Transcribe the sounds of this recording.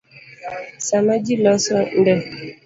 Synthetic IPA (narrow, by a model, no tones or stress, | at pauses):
samad͡ʒilɔsɔn̩dɛ